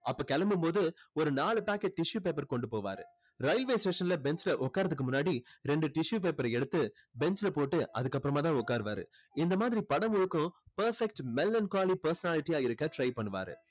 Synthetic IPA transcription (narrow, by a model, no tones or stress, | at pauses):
ɐpːoːkɐlɐmɯmpoːðɯɔɾɯnaːɭɯpaːkːɛʈ̚ʈɪʂjuːpeːp̬ːɐɾkɔɳɖɯpoːʋa̰ːɾɯ̰ | ɾɐɪlʋeːsʈeːʂɐnlɐbɛnt͡ʃlɐʔɔkːaːɾɐðɯkːɯmʊnːaːɽiɾɛɳɖɯʈɪʂjuːpeːpːɐɾɐɛɽɯt̪ːɯ | bɛnt͡ʃlɐpoːʈːɯʔɐ̰ðɯkːɐpːɯɾɐmaːt̪ãːɔkːaːɾɯʋa̰ːɾɯ̰ | ɪnd̪ɐmaːðɪɾipɐɽɐmʊɻɯkːʊ̃pɐɾfɛk̚ʈmɛlːɐnkaːlipɐɾsɐnaːlɪʈːijaːɪɾɯkːɐʈɾɐɪpɐɳːɯʋa̰ːɾɯ̰